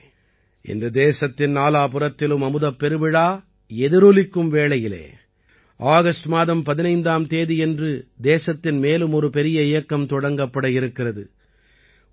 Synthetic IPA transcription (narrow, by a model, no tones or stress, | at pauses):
ʔɪ̰nd̪ɐd̪eːsɐt̪ːɪnnaːlaːpɯrɐt̪ːɪlɯmɐmɯðɐpːɛɾɯbɪɻaː | ɛðɪɾulɪkːɯmʋeːɭɐjɪlḛː | ʔaːɣɐsʈmaːðɐmpɐðɪnɐɪnd̪aːmt̪eːðiɛndrɯd̪eːsɐt̪ːɪnmeːlɯmɔɾɯpɛɾɪjɐɪjɐkːɐmt̪ɔɽɐŋɡɐpːɐɽɐjɪɾɯkːɪrɐðɯ̰